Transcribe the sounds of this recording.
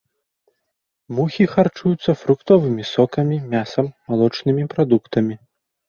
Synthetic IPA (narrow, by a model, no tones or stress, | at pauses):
muxʲixart͡ʂujut̪sːɐfɾukt̪ɔvɨmʲisɔkɐmʲimʲasɐmːalˠɔt͡ʂnɨmʲipɾad̪ukt̪ɐmʲi